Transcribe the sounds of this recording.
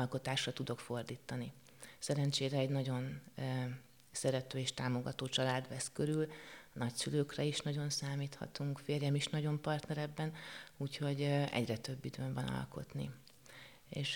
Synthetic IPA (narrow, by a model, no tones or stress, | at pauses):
ɒlko̞t̪aːʃrɒt̪ud̪o̞kfo̞rd̪iːt̪ɒni | sɛɾɛnt͡ʃeːɾɛːɟnɒɟo̞n | sɛɾɛt̪øːeːʃt̪aːmo̞ɡɒ̰t̪oːt͡ʃɒlaːd̪ʋɛskø̞ɾylnɒcsyløːkrɛiʃnɒɟo̞nsaːmiːt̪hɒ̰t̪uŋkfeːrjɛmiʃnɒɟo̞mpɒrt̪nɛɾɛbːɛnuːcho̞ɟɛ̰ɟrɛt̪ø̞bːid̪øːɱvɒnɒ̰lko̞̰t̪nḭ | eːʃ